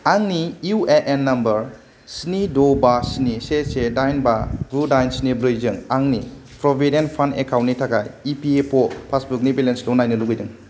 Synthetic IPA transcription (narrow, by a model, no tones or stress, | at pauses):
aŋniueʔenːɐmbɐɾ | sinidobasinisesedajnbabɾudajnsnibɾizɯŋaŋni | pʰɾobʱedenpʰandekʰawntːnːitʰakajipiepʰopʰasbuk̚nibilensdonːajnɯluɡɯjdɯŋ